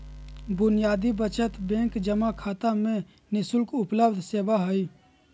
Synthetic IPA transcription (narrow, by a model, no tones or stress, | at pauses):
bʊnijaːd̪ibət͡ʃət̪bẽŋkd͡ʒəmakʰaːt̪amẽ | nɪsʊlkʊpləbd̪ʱseːbaɦəi